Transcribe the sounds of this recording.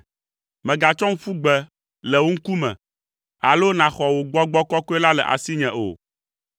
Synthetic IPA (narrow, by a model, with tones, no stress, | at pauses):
mɛ̃˨ɡa˨t͡ʃɔ˦ŋ̩˦fu˦ɡ͡bɛ˨ | lɛ˨wo˦ŋ̩˦ku˦mɛ̰̃˨ | a˨lo˦nã˨xɔ˨wo˨ɡ͡bɔ˦ɡ͡bɔ˦kɔ˦ko˦ɛ˦la˦lɛ˨ʔa̰˨si˦ɲɛ̃˨ʔo̰˨